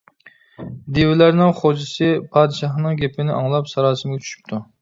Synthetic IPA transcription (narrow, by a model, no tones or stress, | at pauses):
d̪evɪlæɾnɪŋχod͡ʒɨsɨpʰɑːd̪ɨʃɑχnɨŋɡʲepʰɪnɪʔɑŋlˠɑpsɑɾɑːsɨmɡʲɛt͡ʃʰy̥ʃy̥p̚t̪ʰu